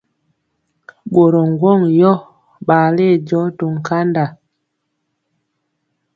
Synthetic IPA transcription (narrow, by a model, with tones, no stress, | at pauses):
ɓo˨ɾɔ˨ŋ˨ɡwɔ˦˨ŋjɔ˦ | ɓa˨le˦˨d͡ʒɔ˨˦to˨ŋ˨ka˦nda˨